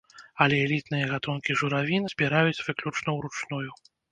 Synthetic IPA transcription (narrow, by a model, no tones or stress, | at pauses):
ɐlʲɛɛlʲit̪nɨjɐɣat̪unkʲiʐuɾavʲinɨz̥ʲbʲiɾajut͡sʲvɨklʲut͡ʂnɐwɾut͡ʂnuju